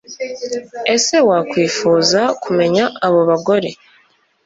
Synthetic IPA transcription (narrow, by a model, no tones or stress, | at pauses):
e̞se̞wakwiːfuːzakume̞ɲaːβo̞βaɡo̞ɾe̞